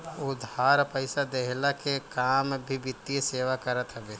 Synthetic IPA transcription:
ʊd̪ʱhaːɾpəɪsad̪eɦlakekaːmbʱibɪt̪ːieseːʋakəɾət̪ɦəɡeː

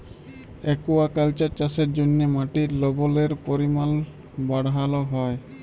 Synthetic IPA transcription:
ɛkuwakalt͡ʃat͡ʃaseɾd͡ʒonːemaʈiɾlɔbɔleɾpoɾimal | baɽɦalɔɦɔj

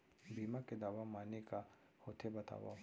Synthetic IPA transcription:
biːmaked̪aːʋamaːneka | hoːt̪ʰebɐt̪a̰ːʋa̰

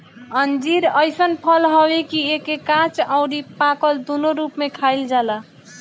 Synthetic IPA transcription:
ənd͡ʒiɾəjsənpʰəlɦəwekiekekãt͡ʃaʊɾipakəld̪unoɾupmekʰajld͡ʒala

